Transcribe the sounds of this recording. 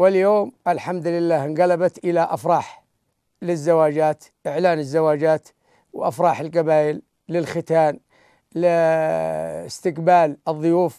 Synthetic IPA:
wɪljoːmʔɪlħamd̪lɪlːaːhnɣalabat̪ʔɪlaʔafɾˤɑːħ | lɪzːawaːd͡ʒaːt̪ʔɪʕlaːnɪzːawaːd͡ʒaːt̪ | wʔa̰fɾˤɑːħɪlqabaːjɪlː | ɪlxɪt̪aːn | lɪ | ɪst̪ɪkbaːlɨðˤːʊjuːf

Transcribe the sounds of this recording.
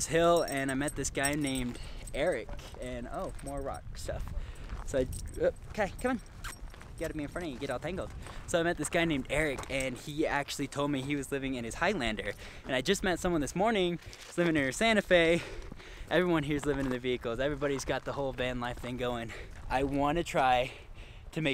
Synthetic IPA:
z̥hɪlˠɨ̃naɪmɛt̪̚ðɪsɡ̥aɪnẽɪ̃mdɛɹɪk | ɨ̃no̰ʊmɔɹɹɑ̰k̚stʌ̰fsoʊaɪʌkʰeɪkʰʌ̃mɨ̃n | ɡ̥ɑɾɨmiɨ̃nfɹʌ̃nɨɡɛɾɔlˠtʰæ̃ŋɡl̩ˠd̥soʊaɪmɛt̪̚ðɪsɡ̥aɪnẽɪ̃mdɛɹɪkʰɨ̃niæk̚t͡ʃʉl̩ˠitʰoʊlˠd̚miiwʌzlɪvɪ̃ŋɨ̃nɨz̥haɪlæ̃ndə˞ | ɨ̃naɪd͡ʒʌs̚mɛtsʌ̃mwʌ̃nðɪsmɔɹnɪ̃ŋ | z̥lɪvɪ̃ŋɨ̃nə˞sæ̃ñɨfeɪ | ʔɛvɹiwʌ̃nɦiɹzlɪvɪ̃ŋɨ̃nðɨviɨkl̩ˠzɛvɹibɑɾizɡɑt̪̚ðəhoʊlˠbæ̃nˡlaɪfθðɪ̃ŋɡoʊɪ̃ŋaɪwɑ̃nɨtʰɹ̥aɪ | ɾʰɨmeɪ

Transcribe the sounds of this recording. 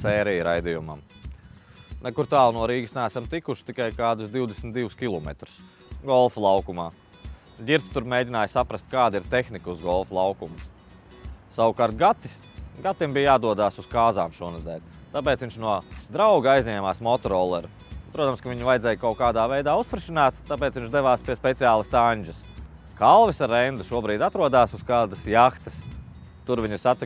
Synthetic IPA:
sɛːɾijɾajd̪ijuma̰m | nɛkuɾt̪aːlˠnuɔɾiːɡɨsnææsamt̪ikuʃt̪ikajkaːd̪ʊsd̪iwd̪esm̩ʲt̪d̪iwʊskʲilˠɔmɛ̰t̪ɾu̥s | ɡɔlˠflˠɑwkumaː | ɟʲiɾt̪t̪uɾmʲeːdʲinaːjsapɾɐst̪̚kaːd̪iɾt̪exnikuzɡɔlˠflˠawkumu | sawukaːɾt̪̚ɡat̪ːi̥s | ɡat̪ːimbijjaːd̪uɔd̪aːsuskaːzaːmʃuɔnɛzd̪ɛ̰ːlʲ | t̪ap̬ɛːt̪sʋiɲt͡ʃnuɔd̪ɾawɡajzʲɲʲɛːmaːsmɔt̪ɔɾɔlˠɛɾu | pɾuɔt̪amskɐʋiɲuvajd̪zɛːjkawkaːd̪aːvɛjd̪aːuspɾiʃinaːt̪t̪ːapeɛːt̪sviɲʲt͡ʃd̪eʋaːspiɛspɛt̪sijaːlˠəst̪aɲʲd͡ʒɪs | kalˠʋisaɾɛnd̪uʃuɔbɾiːd̪at̪ɾuɔd̪aːsuskaːd̪ɐsjaxt̪ɐ̥s | t̪uɾviɲsat̪i

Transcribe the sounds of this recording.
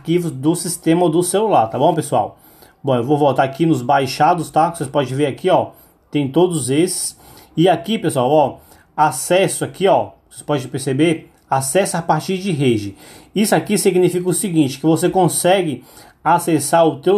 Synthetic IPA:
kivʊzd̪ʊsist̪ẽmɐd̪ʊselulaɾt̪abõw̃pesua̰w | bõewvowvowt̪aɾakinʊzbajʃad̪ʊst̪aosespɔd͡ʒɪveɾakiɔ | t̪ẽj̃t̪od̪ʊzesɪ̥s | ɪakipesuawɔ | asɛsʊakiɔvosespɔd͡ʒɪpeɾsebeɾ | asɛsapaɾt͡ʃiɾd͡ʒɪɦed͡ʒɪisʊakisiɡnifikɐʊsiɡĩnt͡ʃɪ̥kɪvosekõsɛɡɪ | asesaɾʊt̪ew

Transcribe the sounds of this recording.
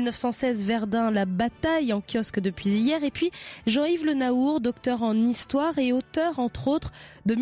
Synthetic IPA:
nœfsɑ̃sɛzvɛʁd̪ɛ̃labat̪ajɑ̃kʲjɔskd̪əpɥizijɛʁepɥiʒɑ̃ivlənauʁd̪ɔkt̪œʁɑ̃nist̪waʁeot̪œʁɑ̃t̪χot̪χd̪əm

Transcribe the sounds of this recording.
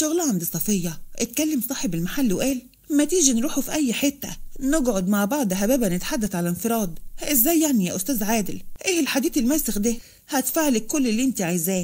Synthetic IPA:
ʃʊɣlhand̪iːsˤɑfejːɑʔɪt̪̚kælːamsˤɑːħebɪlmaħalːwʔæːl | mæt̪iːʒinɾuːħufiʔæjːħɪt̪ːænɪɡʕod̪maʕbɑʕd̪ˤɦæbæːbænɪt̪ħad̪ːæθʕalænfɪɾˤɑːd̪ˤʔɪzːæːjːaʕnijæ̰ːʔʊst̪æːzʕaːd̪ɪlʔeːhɪlħad̪iːt̪ɪlmæːsɪxd̪æː | hæt̪faːʕlɪkːʊlːɪlːiʔɪnt̪iʕajzæː

